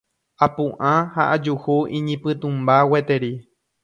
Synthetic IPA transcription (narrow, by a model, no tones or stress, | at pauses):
apũʔãhaʔad͡ʒuhuʔĩɲĩpɨt̪ũmbawet̪e̞ɾi